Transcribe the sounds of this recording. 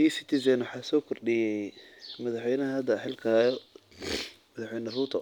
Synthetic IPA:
isɪt̪ʰɪz̬ɛnwɑħɑːsɔːkʰɔrɗɪjɛjmɐðɑħwɛjnɐɦɐɐd̪ɐħɪlkʰaːjɔ | mɐðɑħwɛjnɐrut̪ʰɐ

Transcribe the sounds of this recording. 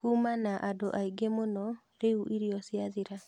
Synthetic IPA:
kumanaʔadoʔaiɡemonɔ | ɾeuʔiɾiɔsjaðiɾa

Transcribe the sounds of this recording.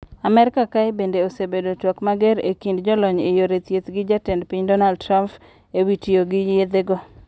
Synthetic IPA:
amɛɾɪkakajbendeosebedotwɔkmaɡɛɾḛkindd͡ʒɔlɔɲejoɾet̪jet̪ɡɪd͡ʒatɛndpiɲdɔnald̚tɾamp | ewitijoɡɪjed̪eɡɔ

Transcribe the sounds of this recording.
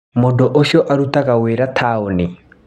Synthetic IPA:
modoʔoʃjɔʔaɾutaɣaweɾatʰaoni

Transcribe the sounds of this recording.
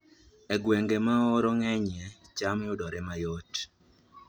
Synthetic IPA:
ɛɡweŋɡemaɔɾɔŋɛɲɛt͡ʃamɪʊdɔɾɛmajot

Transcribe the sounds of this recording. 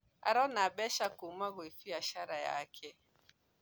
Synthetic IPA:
a̰ɾɔnabɛʃakumaɣwefiaʃaɾaja̰kʰɛ

